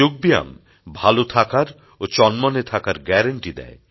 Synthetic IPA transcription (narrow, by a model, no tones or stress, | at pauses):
oɡ̚bija̰m | bʱalot̪ʰakaɾ | ot͡ɕɔnmɔnet̪ʰakaɾɡɛɾaɳʈid̪ɛ̰e